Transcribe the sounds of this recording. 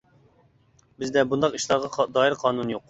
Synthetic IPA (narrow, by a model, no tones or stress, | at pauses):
bɪzd̪ɛbund̪ɑqiʃlˠɑɾʁɑd̪ɑːjiɾqʰɑːnunjoq